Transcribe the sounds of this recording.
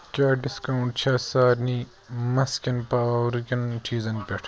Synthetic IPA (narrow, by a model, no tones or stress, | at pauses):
kʲaːɖiskɐuɳʈt͡ʃʰaːsaːɾniː | mɐskʲɐnpaːwɾkʲɐnt͡ʃʰiːzɐnpʲeʈʰ